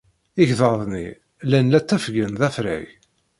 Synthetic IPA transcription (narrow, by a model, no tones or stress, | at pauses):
iʝðəɾðˤnḭ | lænlæt͡sːæfɡənðæfɾæ̰ʝ